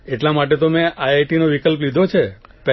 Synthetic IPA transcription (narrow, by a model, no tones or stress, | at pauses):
eʈlamaʈ̬et̪omẽʔajajʈinoʋikəlp̬lid̪ʱot͡ʃʰepɛ